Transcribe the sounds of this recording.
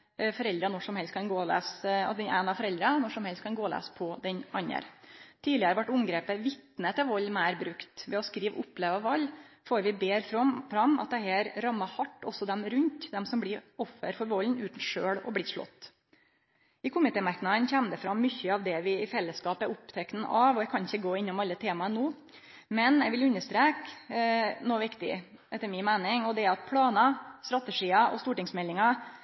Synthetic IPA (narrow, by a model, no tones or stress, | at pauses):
fɔɾɛld̪ɾənɔʂɔmhɛlst̪̚kʰɑnɡoːlæ̰ːsɑ̰d̪ɛnæːnɑfɔɾɛld̪ɾənɔʂɔmhɛlst̪kʰɑnɡoːlæ̰ːspʰɔd̪ɛɲɑnə̰ɾt̪ʰiːlɪəɾəʋɑʈːʊmɡɾeːpəʋɪt̪nət̪ʰɛʋɔlːmæɪɾbɾʉkt̪ʋɛɔskɾiːʋʊpːleːʋɑʋɑlːfoːɾʋɪbeːɾfɾɔfɾɑmːɑ̰t̪̚d̪ɛɦæːɾɾɑmːɑhɑʈːɔ̰sːɔd̪ɛmɾʉnt̪d̪ɛmsɔmblɪɾɔfːə̰ɾfɔɾʋɔlnʉːt̪n̩ʂøːɭɔ̰bɽɪʂɭɔ̰t̪ː | ɪkʰʊmɪt̪ʰeːmɑɾknɑd̪ənçɛmd̪ɛfɾɑmmʏçːəɑʋd̪ɛʋɪɪfɛlːəskɑːpəɾʊpt̪ʰɛkn̩ʔɑʋɔɛkʰɑnɪçːəɡoːɪnːʊmɑlːət̪ʰeːmɑənuː | mɛnɛɪʋɪlʉnːəʂt̪ɾeːk | noːʋɪkt̪ɪ̰ | ʔɛt̪ːəɾmɪnmæɪnɪŋɔd̪ɛɑt̪̚pʰɽɑːnɑst̪ɾɑt̪əʂiːɑʔɔ̰st̪uːʈɪŋsmɛlːɪŋɑ